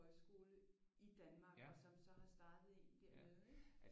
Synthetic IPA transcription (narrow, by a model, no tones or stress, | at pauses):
ɒ̽ɪsɡ̥o̝ːlə | id̥ænmɑ̈ːɡ̥ɒ̽sɒ̽msɒ̽hɑ̈sd̥ɑ̈ːd̥ð̩ˠe̝nd̥eɐ̰mmeð̩ˠ